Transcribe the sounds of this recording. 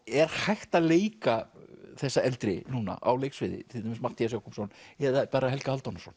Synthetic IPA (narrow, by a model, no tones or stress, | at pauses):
ɛɾ̥hajht̪aleːjkaθɛsːaɛlt̪ɾɪnuːna̰ʔa̰wlejksvɪːðɪ̰t̪ʰɪlɪmɪsmaht̪ijasjawkumsɔnɛðapaːɾaɦɛlkahalt̪ɔnasɔn